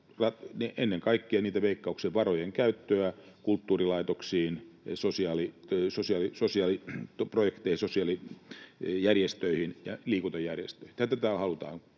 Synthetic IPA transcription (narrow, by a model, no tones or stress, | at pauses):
rɑneʔenːeŋkɑikːiɑniːt̪æʋeikːɑuksiʋʋɑrojeŋkæyt̪ːøækult̪ːuːrilɑit̪oksiːnsosiɑlisosiɑlisosiɑlit̪projekt̪eihisosiɑli | jærjest̪øihinjɑliːkut̪ojærjest̪øihint̪æt̪æt̪æhɑlut̪ɑ̰ːn